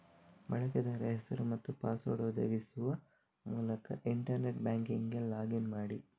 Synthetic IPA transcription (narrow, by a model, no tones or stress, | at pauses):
bɐɭɐkɐd̪ɐɾɐɦɛsɐɾumɐt̪ːupaːsoːɽod̪ḛːɡisuʋɐ | muːlɐkɐʔiɳʈɐɾneʈ̚bjaːŋkiŋɡelaːɡinmaːɽi